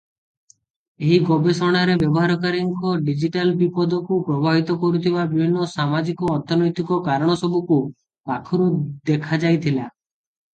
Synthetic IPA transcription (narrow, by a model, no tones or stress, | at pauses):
eɦiɡɔbesɔɽ̃aɾebjɔbɔɦaɾɔkaɾiŋkɔɖid͡ʒiʈalbipɔd̪ɔkupɾɔbʱaɦit̪ɔkɔɾut̪ʰibabibʱinːɔsamad͡ʒikɔːɾt̪ʰɔnɔjt̪ikɔkaɾɔɽ̃ɔsɔbuku | pakʰɔɾud̪ekʰad͡ʒajt̪ʰila